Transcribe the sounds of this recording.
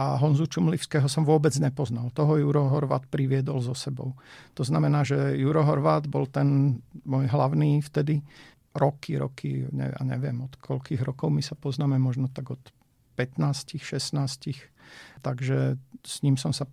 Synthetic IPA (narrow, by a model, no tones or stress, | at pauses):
aɦɔnzut͡ʃumliʊskɛːɦɔsɔmʋʊɔbɛd͡zɲɛpɔznalt̪ɔɦɔjuɾɔɦɔɾʋa̰ːt̪pɾiʋɪɛd̪ɔlzɔsɛbɔ̰ʊt̪ɔznamɛnaːʒɛjuɾɔɦɔɾʋaːd̪bɔlt̪ɛnmɔjɦlaʊniːft̪ɛd̪i | ɾɔkiɾɔ̰kʰḭɲɛ̰ja̰ɲɛ̰ʋɪɛ̰mɔt̪kʰɔʎkiːɣɾɔkɔʊmisapɔznaːmɛmɔʒnɔt̪aɡɔt̪ | pɛt̪naːscixʃɛsnaːscixt̪aɡʒɛsɲiːmsɔmsa